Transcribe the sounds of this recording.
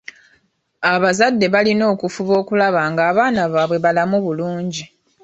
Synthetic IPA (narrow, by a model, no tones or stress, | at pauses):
aβazadːe̞βalino̞ːkufuβo̞ːkulaβaːŋɡaːβaːnaβaːβwe̞βalamuβuluːɲɟi